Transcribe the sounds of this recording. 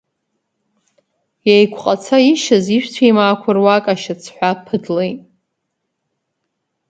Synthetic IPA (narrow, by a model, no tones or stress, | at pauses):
jejkʷʰqʼat͡sʰaiʃaziʃᶣt͡sʷʰajmaːkʷʰʊrwakʼaʃat͡sʰħᶣʷapʰɨdlejtʼ